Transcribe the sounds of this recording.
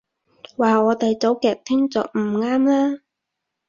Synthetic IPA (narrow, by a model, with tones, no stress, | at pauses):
waː˨ɔː˨˧t̪ɐ˨˧jt͡so˨˥wkɛː˨k̚t̪ʰɪ˥ŋt͡sɔː˨k̚m̩˨˩ŋaː˥mlaː˥